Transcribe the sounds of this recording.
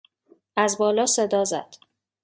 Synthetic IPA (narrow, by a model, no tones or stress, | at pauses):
æzbɒːlɒːsed̪ɒːzæ̰d̪̥